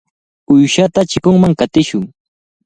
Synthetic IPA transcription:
ʊjʃat̪at͡ʃɪkʊŋmaŋkat̪ɪʃʊŋ

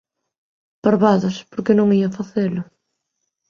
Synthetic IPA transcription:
paɾβaðʊspoɾkɪnõŋiɐfaθelʊ

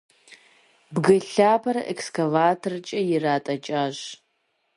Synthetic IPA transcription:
bɡɐɬaːpʰɐɾɐʔekskʰɐvaːtʰɐrɨt͡ʃʼɐjɪraːtʼɐt͡ʃʼaːʒ

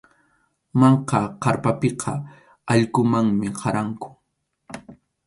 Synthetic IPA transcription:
mɑɴqɑqɑɾpapeqʰɑ | ɑʎkʊmaŋmɪqʰɑɾaŋkʊ̥

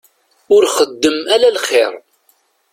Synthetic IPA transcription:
ʊɾχəd̪ːəmælælχɪɾˤ

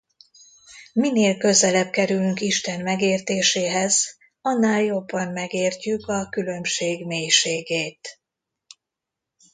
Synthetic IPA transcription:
mineːlkø̞zɛlɛb̚kɛɾylyŋkiʃt̪ɛnmɛɡeːrt̪eːʃeːɦɛz | ɒnːaːljo̞bːɒnmɛɡeːrcykɒkylø̞mʃeːɡmeːjʃeːɡeːt̪

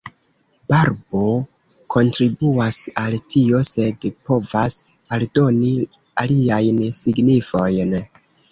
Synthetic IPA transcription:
b̥aɾbo̞ | kʰo̞ntɾibuasaltʰio̞se̞dpo̞vas | aldo̞ni | aliajnsiɡnifo̞jn

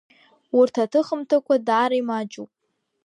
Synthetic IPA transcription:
wʊrtʰatʰɨχəmtʰakʷʰadaːɾaimad͡ʒupʼ

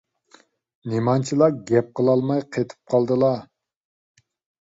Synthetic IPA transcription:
nemɑnt͡ʃʰilˠɑɡʲɛp̚qʰəlˠɑlˠmɑjqʰet̪ʰɨ̥p̚qʰɑlˠd̪ɨlˠɑ

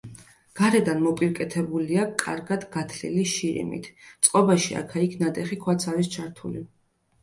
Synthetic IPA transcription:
ɡ̥aɾɛd̪anmɔpʼiɾkʼɛt̪ʰɛbuliakʼa̰ɾɡad̪ɡat̪ʰlḭliʃiɾḭmḭt̪ʰt̪sʼqʼɔbaʃia̰kʰaikʰnad̪ɛχikʰwat̪sʰaɾist͡ʃʰaɾt̪ʰuli

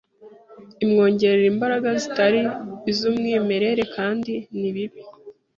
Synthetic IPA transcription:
imŋo̞ːɲɟe̞ɾe̞ɾimbaɾaɡazitaɾiːzumŋiːme̞ɾe̞ɾe̞kaːndiniβiβi

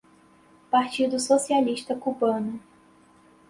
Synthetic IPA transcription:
paɾt͡ʃid̪ʊsosialiʃt̪ɐkubɐ̃nʊ

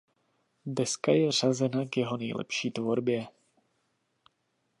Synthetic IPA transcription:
dɛskajɛvr̝azɛnakjɛɦo̞nɛjlɛ̰pʃiːt̪vo̞ɾbjɛ

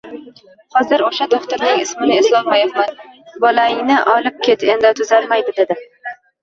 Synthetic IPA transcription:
hɒzɪɾoʃad̪oχt̪ʊɾnɪŋɪsmɪnɪɪslˠɒmbajɪpmanbɒlaɪŋnɪʔɒlɪp̚kʲe̞t̪end̪at̪ʰʊzalmajd̪ɪd̪e̞d̪ɪ

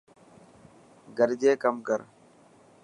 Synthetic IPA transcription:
ɡəɾd͡ʒeːkɐmkəɾ

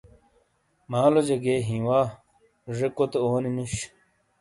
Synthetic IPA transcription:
maːlod͡ʑɐɡeːɦĩːwaː | ʐekot̪eoːninuɕ

